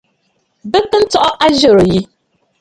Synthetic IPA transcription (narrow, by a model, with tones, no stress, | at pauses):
bɨ˦kːɨ˦n̩˦tɔ˦ʔɔ˦ʔa˦ʒo˨ɾo˨ji˦